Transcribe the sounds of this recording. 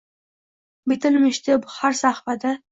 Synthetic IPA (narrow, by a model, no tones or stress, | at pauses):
bɪt̪ʰɪlmɪʃt̪ʰɪbhaɾsahfad̪a